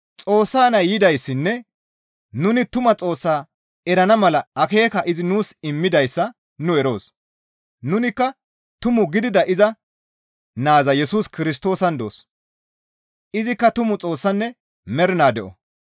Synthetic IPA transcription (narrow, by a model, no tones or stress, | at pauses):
t͡sʼo̞ːsːaːnɐjɪd̪ɐjsːɪnːɛ | nʊnɪt̪ʊmɐt͡sʼo̞ːsːaː | ɛɾɐnɐmɐlɐɐke̞ːkɐʔɪzɪnuːsɪmːɪd̪ɐjsːɐ | nʊɛɾo̞ːs | nʊnɪkːɐ | t̪ʊmʊɡɪd̪ɪd̪ɐʔɪzɐ | naːzɐjɛsuːskɪɾɪs̬t̪o̞ːsɐnd̪o̞̰ːs | ʔɪzɪkːɐt̪ʊmʊt͡sʼo̞ːsːɐnːɛ | mɛɾɪnaːd̪ɛʔɔ̰